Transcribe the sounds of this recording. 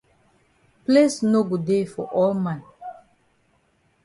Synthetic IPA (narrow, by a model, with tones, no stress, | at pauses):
plesno˦ɡu˨dde˦fɔ˨ʔɔ˦lmãn